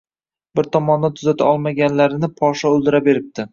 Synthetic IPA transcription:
bɪɾt̪ʰɒmɒnːat̪ʰʊzat̪ʰaɒlˠmaɡʲanlaɾɪnɪpʰɒʃɒɵlˠd̪ɪɾabe̞ɾɪp̚t̪ʰɪ

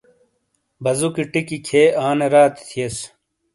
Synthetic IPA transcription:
bɐzukiʈikikʰeːaːneɾaːt̪t̪ʰijes

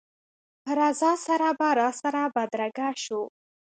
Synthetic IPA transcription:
pəɾazɑsaɾabaɾɑsaɾabad̪ɾaɡaʃu

